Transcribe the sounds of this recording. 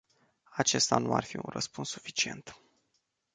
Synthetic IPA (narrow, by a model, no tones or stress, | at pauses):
at͡ʃe̞st̪anuarfiṵnrəspunssu̥fi̥t͡ʃie̞nt̪